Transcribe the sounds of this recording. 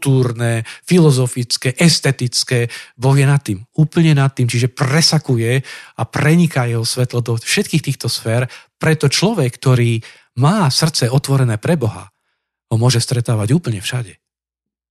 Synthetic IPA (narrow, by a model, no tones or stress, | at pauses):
t̪uːɾnɛfilɔzɔfit͡skɛʔɛst̪ɛt̪it͡skɛbɔɦjɛnat̪ːiːmuːpl̩ɲɛnat̪ːiːmt͡ʃiʒɛpɾɛsakujɛapɾɛɲikajɛɦɔsʋɛt̪lɔd̪ɔfʃɛt̪̚kiːxt̪iːxt̪ɔsfɛːɾpɾɛt̪ɔt͡ʃlɔʋɛkːt̪ɔɾiː | maːsr̩tt͡sɛɔt̪ʋɔɾɛnɛːpɾɛbɔɦa̰ | ɦɔmʊɔʒɛst̪ɾɛt̪aːʋaɟuːpl̩ɲɛfʃaɟɛ